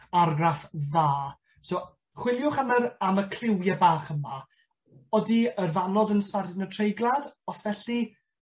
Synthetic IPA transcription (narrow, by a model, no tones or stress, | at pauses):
arɡrafðaː | so | χwɪlˠjʊχaməɾaməkʰl̥ɪwjəbaːχəma | ɔdiərvanɔdənstardɪnətʰrejɡlˠadɔsvɛɬi